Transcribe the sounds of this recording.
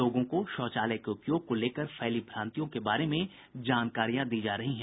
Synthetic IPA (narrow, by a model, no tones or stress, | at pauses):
oːɡõkoʃɔːt͡ʃaːləkeʊpjoːɡ̚koleːkəɾfʰɛːlibʰʱɾãːnt̪ijõkebaːɾemẽ | d͡ʒaːnkaːɾijãd̪iːd͡ʒaːɾɐɦiɦɛ̃